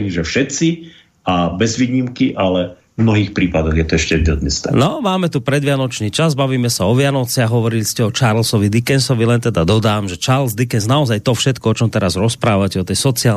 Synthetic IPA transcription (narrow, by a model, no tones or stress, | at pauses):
ɲiʒɛfʃɛt̪si | abɛzʋiːɲimkiʔalɛ | mnɔɦiːxpɾiːpad̪ɔɣjɛt̪ɔɛʃcɛd̪ɛd̪nist̪ɛ̰nɔmaːmɛt̪upɾɛd̪ʋɪanɔt͡ʃniːt͡ʃazbaʋiːmɛsaɔʋɪanɔt͡sɪaɣɦɔʋɔɾiliscɛɔt͡ʃaɾlsɔʋid̪ikɛnsɔʋilɛnt̪ɛd̪ad̪ɔd̪aːmʒɛt͡ʃaɾlzd̪ikɛnznaɔzajt̪ɔfʃɛt̪kɔɔt͡ʃɔmt̪ɛɾazɾɔspɾaːʋacɛɔt̪ɛjsɔt͡siaː